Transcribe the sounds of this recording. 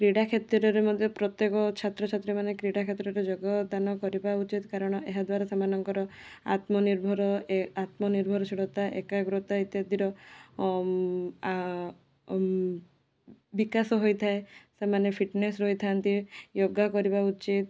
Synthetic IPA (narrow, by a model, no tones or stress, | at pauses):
kɾiɽakʰet̪iɾɔɾemɔd̪ʱjɔpɾɔt̪jekɔt͡ʃʰat̪ɾɔt͡ʃʰat̪ːɾemanekɾiɽakʰet̪ɾɔɾed͡ʒoɡɔd̪anɔkɔɾibaut͡ʃit̪kaɾɔɽ̃ɔʔeɦad̪waɾasamanɔŋkɔɾɔa̰t̪mɔniɾbʱɔɾɔat̪mɔniɾbʱɔɾɔsiɽɔt̪aʔekaɡɾɔt̪ait̪jɔd̪ʱiɾɔ | bikasɔɦojt̪ʰaesemanepʰiʈnesɾoit̪ʰant̪ijoɡːakɔɾibaut͡ʃit̪